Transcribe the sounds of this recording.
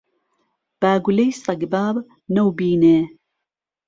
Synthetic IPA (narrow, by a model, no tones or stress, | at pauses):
b̥aːɡulejst̪ɐɡbaːb | nɐwbiːne